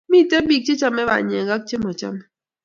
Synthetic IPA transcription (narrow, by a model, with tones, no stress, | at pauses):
mi˦˨t̪ɛ˦bi˨k̚t͡ʃi˦t͡ʃa˦mɛ˦βa̰˨ɲ˨e˨ŋɡa˦k̚t͡ʃe˦mɔ˨t͡ʃa̰˦m˦